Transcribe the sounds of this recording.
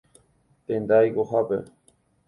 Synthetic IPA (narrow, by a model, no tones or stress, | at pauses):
t̪ẽnd̪ajɡoɦapḛ